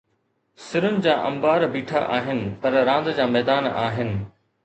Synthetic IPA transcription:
sɪɾʊnɪ̆d͡ʑaːʔɐ̰̃mbaːɾbiːʈʰa̰ʔaːɦɪnɪ̆pɐɾɾãːn̆d̪d͡ʑaːmɛːd̪aːna̰ːɦɪnɪ̆

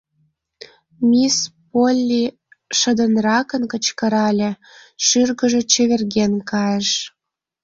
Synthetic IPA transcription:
mʲispolʲːi | ʃə̆d̪ənrɑkənkət͡ɕkə̆ɾɑlʲĕ | ʃyrɣə̆ʒĕt͡ɕĕβerɣenkɑjəʃ

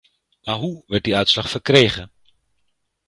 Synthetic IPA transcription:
maːɹɦuʋɛɹt̚diœɥtslɑχfəɹkrejχən

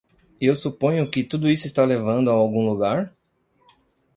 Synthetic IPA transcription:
ewsupõɲʊkɪt̪ud̪ʊisʊist̪alevɐ̃nd̪ʊaawɡũluɡaɾ

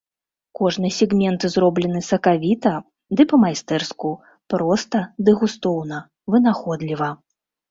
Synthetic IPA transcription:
kɔʐnɨsʲɛɣmʲɛnt̪ɨzɾɔblʲɛnɨsɐkavʲit̪ɐ | d̪ɨpɐmajst̪ɛrsku | pɾɔst̪ɐd̪ɨɣust̪ɔwnɐ | vɨnaxɔd̪lʲivɐ

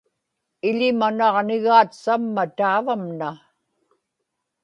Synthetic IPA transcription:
ɪʎɪmanɑʁnɪɣaːt̪samːat̪aːvamna

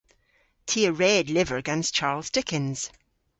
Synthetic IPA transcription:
tʰiəɹɛdˡlɪvə˞əɡɛ̃nst͡ʃʰaɹlˠzdɪkɪ̃nz̥

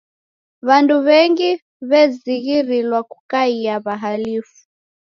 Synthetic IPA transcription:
βanduβɛŋɡi | βɛziɣiɾilwakukaiaβaɦalifu̥

